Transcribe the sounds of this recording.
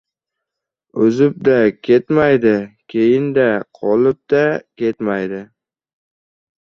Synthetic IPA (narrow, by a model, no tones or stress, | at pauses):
ɵzɪp̚d̪akʲʰe̞t̪majd̪ɪkʲʰe̞jɪnd̪aqʰɒlɪp̚d̪̥akʲʰe̞t̪majd̪ɪ